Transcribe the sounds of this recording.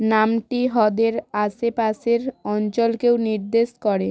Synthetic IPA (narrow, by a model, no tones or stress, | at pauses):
namʈiɦɔd̪eɾasepaseɾɔnt͡ɕolkewniɾd̪eʃkɔɾe